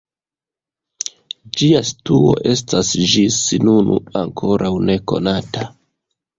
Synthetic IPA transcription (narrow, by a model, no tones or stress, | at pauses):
d͡ʒiastuo̰ʔe̞stasd͡ʒisinunṵaŋkʰo̞ɾʔawne̞ko̞̰nata